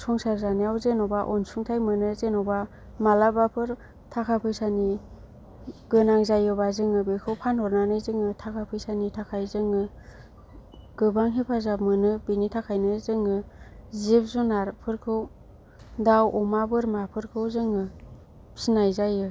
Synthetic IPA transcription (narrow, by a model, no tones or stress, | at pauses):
sʰɔŋsaɾzanijawzenɔwbaʔɔnsuŋtʰajmɯnɯzenɔwba | malabapʰɯɾ | tʰakʰapʰɯjsani | ɡɯnaŋzajɯbazɯŋɯbekʰɯwpʰanɔɾnanɯjzɯŋɯtʰakʰapʰɯjsanitʰakʰajzɯŋɯ | ɡ̥ɯbaŋɦipʰazamɯnɯbinitʰakʰajnɯzɯŋɯzip̚zunaɾpʰɯɾkʰɯw | dawɔmabɯɾmapʰɯɾkʰɯwzɯŋɯ | sinajzajɯ